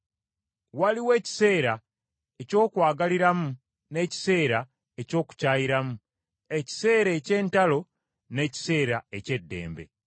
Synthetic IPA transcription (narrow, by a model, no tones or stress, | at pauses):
waliwe̞ːci̥se̞ːɾa | eco̞ːkwaːɡaliɾamu | ne̞ːci̥se̞ːɾa | eco̞ːku̥caːjiɾamu | e̞ci̥se̞ːɾe̞ce̞ːntalo̞ | ne̞ci̥se̞ːɾae̞ce̞dːe̞̰ːmbe̞̰